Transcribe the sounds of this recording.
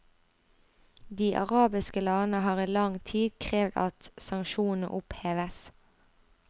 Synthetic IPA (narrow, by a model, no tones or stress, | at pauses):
d̪iːʔɑ̰ʁɑːbɪskəlɑːnəhɑːʁiːlɑŋt̪ʰiːd̪kʰʁeːʋd̪ɑ̰t̪sɑŋʃuːn̩n̩̰ʔʊpheːʋəs